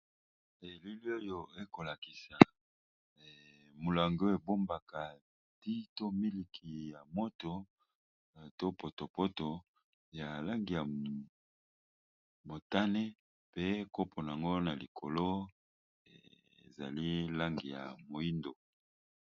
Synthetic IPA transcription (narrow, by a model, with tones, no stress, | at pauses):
e˨li˦li˦o˦jo˨e˦ko˨la˨ki˨sa˨ | mo˨la˨ŋɡo˦e˨bo˦mba˨ka˨ | ti˦to˦mi˦li˨kʰi˨ja˨mo˦to˨ | to˦po˨to˨po˦to˨ | ja˨la˦ŋɡi˨ja˨ | mo˨ta˦ne˦ | pe˦ko˦pʰo˨n˨a˨ŋɡo˦na˨li˨kʰo̰˨lo˦ | ḛ˨ | ḛ˨za̰˨li˦la˦ŋɡi˨ja̰˨mo˨i˦ndo˨